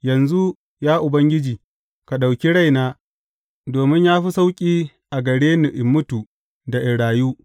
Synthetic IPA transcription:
jɐ˨nzu˦ | jaː˦ʔʊ˨bɐ˦ŋɡʲɪ˦d͡ʒiː˨ | ka˨ɗa˨wkʲi˦ɽa˦jnaː˦ | doː˨mɪ˦ɲjaː˦ɸi˦sa˦wkʲʼiː˦ | ʔa˨ɡɐ˨ɽeː˦ni˨ʔɪ˨mːʊ˦tu˨ | da˨ʔɪ˨ɽaː˨juː˦

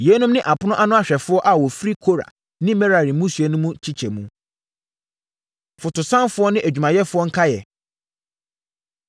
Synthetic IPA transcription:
jɛ˨˦nũ˦mnɪ̃˦ʔa˨pʰʊ˦nʊ̃˦ʔa˦nʊ̃˦a˦˨ɕᶣɛ˨fʊ˦ɔ˦ʔa˨wɔ˨fɾi˦kʰo˦ɾa̰˨ | nɪ̃˦mɛ̃˦ɾa˨ɾĩ˨˦mũ˦su˨ɛ˨nũ˦mũ˦t͡ɕʰi˦t͡ɕʰɛ˨mũ˦ | fʊ˨tʊ˨sã˦nfʊ˦ɔ˦nɪ̃˦ʔæ˨d͡ʑᶣu˨mã˨jɛ˦fʊ˦ɔ˦ŋ̩˦kʰa˦jɛ̰˨

